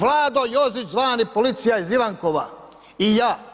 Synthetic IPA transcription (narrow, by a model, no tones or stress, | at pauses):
ʋlˠaːd̪ojozit͡ʃzʋaːnipolit̪sijaiziʋaŋkoʋa | ijaː